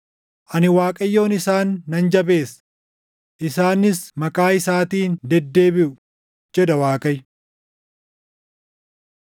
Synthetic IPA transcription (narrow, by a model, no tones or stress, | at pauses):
ʔɐnɪwaːkʼɐjːo̞ːnɪsaːnːɐnd͡ʒɐbe̞ːs | ʔɪsaːnːɪsmɐkʼaːɪsaːt̪iːnd̪ɛd̪ːe̞ːbɪʔʊ | d͡ʒɛd̪ɐwaːkʼɐj